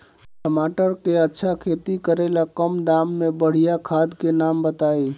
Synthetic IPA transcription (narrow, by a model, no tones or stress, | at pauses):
ʈəmaːʈəɾkeətːʃʰakʰeːt̪ikəɾelakəmd̪aːmːẽbəɽ̤ijakʰaːd̪kenaːmbət̪aːiː